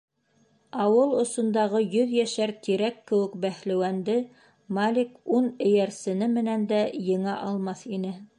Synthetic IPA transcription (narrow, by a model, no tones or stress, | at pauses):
ɑwɤlˠŏsŏnd̪ɑʁɤjɵðjæʃæɾt̪iɾækːɘ̆wɘ̆kbæhlæ̆wænd̪ɘ | malʲikunɘ̆jæɾsɘ̆nɘmɘ̆nænd̪æjɤ̆ɴɑʔɑlˠmɑθinɘ